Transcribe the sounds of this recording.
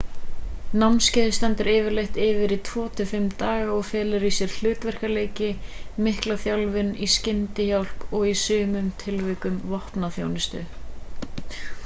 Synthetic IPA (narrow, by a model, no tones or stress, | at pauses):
namnscɛːðɪst̪ɛnt̪ʏɾɛːvɪɾlejht̪ɪvɪɾit̪ʰvɔːt̪ʰʏfɪmt̪aːɣaɔɣfɛːlɪɾisjɛɾ̥l̥ʏːt̪vɛr̥kaleːjcɪmɪhklaθjawlvɪniscɪnt̪ɪçawl̥pɔɣisʏːmʏmt̪ʰɪlvɛːkʏmvɔhpnaθjo̰wnɪst̪ʏ̰